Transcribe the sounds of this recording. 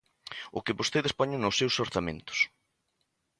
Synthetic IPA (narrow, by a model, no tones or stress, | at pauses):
ʊkɪpost̪ejðespoɲʊnʊwsːewsoɾθamḛ̃nt̪ʊ̥s